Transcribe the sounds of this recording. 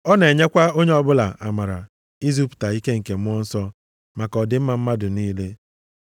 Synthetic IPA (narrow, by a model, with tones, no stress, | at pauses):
ɔ˦ne˨ɲe˦kʷa˦o˦ɲe˦ɔ˦bʊ˦la˨ʔa˨ma˨ɾa˨ | i˦zu˦pu̥˨ta˨i˦ke˦ŋ̩˨ke˨m˦ɔ˦n̩˦sɔ˦ | ma˨kɔ˨dɪ˨m̩˦ma˨m̩˦ma˦dʊ˨niː˦le˦